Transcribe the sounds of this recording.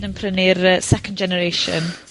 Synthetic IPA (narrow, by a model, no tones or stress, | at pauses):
nənpʰrənɪrəsɛkəndd͡ʒɛnəɾeʃə̰n